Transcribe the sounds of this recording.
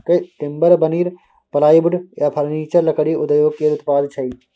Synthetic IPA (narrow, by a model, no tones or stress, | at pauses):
keʈ̪ɪmbəɾbəniːɾ | pɐlaːibʊɖjaːpʰəɾniːt͡ʃəɾlɐkəɽiʔʊd̪əjoːɡkeːʊt̪paːd̪t͡ʃʰɐi